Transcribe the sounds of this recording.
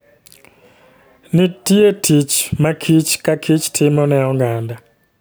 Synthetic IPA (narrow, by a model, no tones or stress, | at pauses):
nitietʰit͡ʃmakʰit͡ʃkakʰit͡ʃtʰimɔnɛɔŋɡaːnda